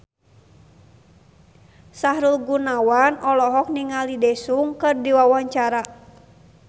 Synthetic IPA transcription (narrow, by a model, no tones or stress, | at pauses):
saɦɾulɡunawanɔlɔɦɔk̚niŋalidɛsuŋkɨrdiwawaɲt͡ʃaɾa